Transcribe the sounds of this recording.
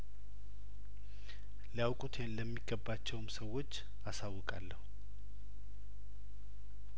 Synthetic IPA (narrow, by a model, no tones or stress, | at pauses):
ljawkʼut̪ʰe̞nləmːiɡːəbːat͡ʃːɛwmsəwːo̞t͡ʃː | asawːɨkʼalːəhuu